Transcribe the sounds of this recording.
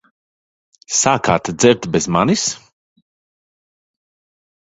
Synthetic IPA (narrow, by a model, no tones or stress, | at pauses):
saːkaːt̪d̪zɛɾt̪bɛzma̰nis